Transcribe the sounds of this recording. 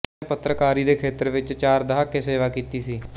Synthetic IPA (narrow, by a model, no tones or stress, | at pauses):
pət̪ːɾəkaːɾiːd̪eːkʰeːt̪əɾʋɪt͡ʃt͡ʃaːɾd̪əɦaːkːeːseːʋaːkiːt̪iːsiː